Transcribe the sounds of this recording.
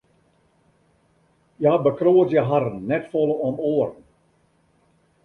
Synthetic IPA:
jabəkroətjəɦaɾən̩ːɛtfolˠəɔmoərən

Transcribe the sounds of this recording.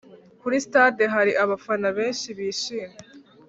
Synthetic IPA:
kuɾistadeɦaɾiʔaβafanaβe̞ːnʃiβiːʃiːme

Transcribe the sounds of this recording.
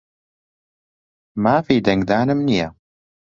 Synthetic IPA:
maːfiːd̪ɐŋɡd̪aːnɨmnija

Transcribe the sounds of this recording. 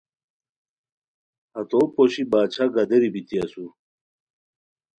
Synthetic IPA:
ɐt̪opoɕibaːt͡ɕʰaɡɐd̪eɾibit̪iɐsu

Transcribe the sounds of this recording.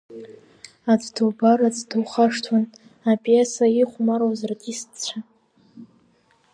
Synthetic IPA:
at͡sʷʼduwbarad͡zduwχaʂtʰwan | apʼjesaiχʷmaɾowzrtʼist͡ɕʷʰa

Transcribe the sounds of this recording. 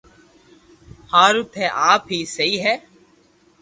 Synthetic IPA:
haːɾʊt̪ʰɛːʔaːpɦiːsəiːɦɛː

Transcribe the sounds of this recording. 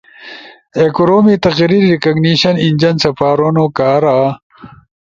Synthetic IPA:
ekoɾoːmit̪ɐqɾiɾːikɐɡniɕɐnind͡ʑɐnsɐpaːɾonokaːɾaː

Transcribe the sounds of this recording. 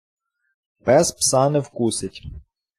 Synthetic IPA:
pɛspsɑnɪwkusɪtʲ

